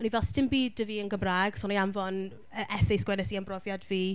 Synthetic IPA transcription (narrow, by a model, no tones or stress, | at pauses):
ɔnivɛlˠstʰɪmbiːdəviːənɡəmraːɡ̥sɔnaamvɔn | əʔɛsɛjsɡwɛnɛsianbrɔvjadviː